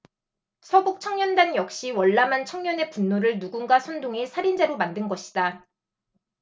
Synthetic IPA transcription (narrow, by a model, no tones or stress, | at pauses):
sʰʌbok̚t͡ɕʰʌŋɲʌndanjʌk̚ɕ͈iwʌɭːamant͡ɕʰʌŋɲʌne̞punːoɾɯɭnuɡunɡasʰʌndoŋesʰaɾind͡ʑeɾomandɯnɡʌɕʰi̥d̥a